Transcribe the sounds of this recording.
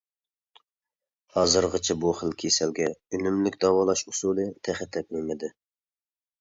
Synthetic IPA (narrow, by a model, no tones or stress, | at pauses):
hɑːzɨɾʁət͡ʃʰɛbuχəlkʲʰesɛlɡʲɛynymlɪkʲd̪ɑwɑlˠɑʃusulˠɨt̪ʰæχɛt̪ʰːɛp̚memɪd̪ɪ